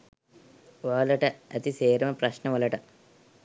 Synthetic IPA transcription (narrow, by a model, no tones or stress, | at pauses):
ʋɐːlɐʈɐɐt̪iseːɾɐmɐpɾɐɕnɐʋɐlɐʈɐ